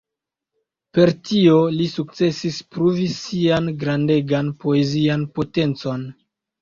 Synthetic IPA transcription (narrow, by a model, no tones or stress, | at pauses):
pe̞ɾtio̞lisuk̚t͡se̞sispɾuvisianɡɾande̞ɡanpo̞ezianpo̞te̞nt͡so̞n